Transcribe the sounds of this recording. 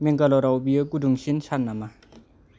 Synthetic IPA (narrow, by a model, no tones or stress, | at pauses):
meŋkalɔɾawbijɯkuduŋsinsanːama